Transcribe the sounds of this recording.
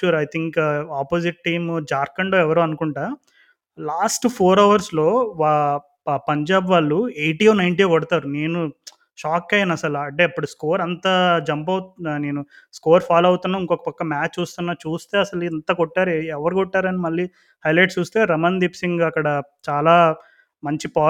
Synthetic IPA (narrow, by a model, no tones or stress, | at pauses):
t͡ʃuːɾɐjt̪ʰiŋkaːpoːsiʈ̚ʈiːmd͡ʒaːɾkɐɳɖoːɛʋɐɾuːɐnukuɳʈaː | laːsʈpʰoːɾɐʋɐɾslo̞ːʋa | pɐɲd͡ʒaːbʋaːɭːuejʈiːoːnɐjɳʈiekɔɽɐt̪aːɾune̞ːnu | ʃaːkːɐjɐnɐsɐlɐɳʈeːɐpːuɽuskoːɾɐnt̪aːd͡ʒɐmpɐwne̞ːnu | skoːɾpʰaːlɐwut̪unːaːiŋkɔkːɐ̥pɐkːɐmaːt͡ʃt͡ʃːuːst̪unːaːt͡ʃuːst̪e̞ːɐsɐlint̪ɐkɔʈːaːɾɛʋɐɾukɔʈːaːɾɐnimɐɭːi | hɐjlɐjʈst͡ʃuːst̪eːɾɐmɐnd̪ipsiŋɡɐkːɐɽɐt͡ʃaːlaː | mɐɲt͡ʃipaː